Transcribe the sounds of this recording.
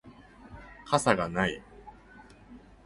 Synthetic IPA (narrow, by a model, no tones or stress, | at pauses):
kʰasaɡanai